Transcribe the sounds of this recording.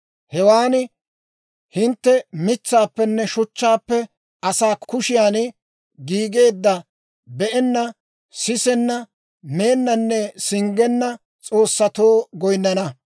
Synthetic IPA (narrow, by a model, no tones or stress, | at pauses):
hɛwaːn | hɪnt̪ːɛmɪt͡sːaːpːɛnːɛʃʊt͡ʃːaːpːɛ | ɐsaːkkʊʃɪjaːn | ɡiːɡe̞ːd̪ːɐ | bɛʔɛnːɐ | sɪsɛnːɐ | me̞ːnːɐnːɛsɪŋɡɛnːɐ | t͡sʼo̞ːsːɐt̪o̞ːɡɔjnːɐnɐ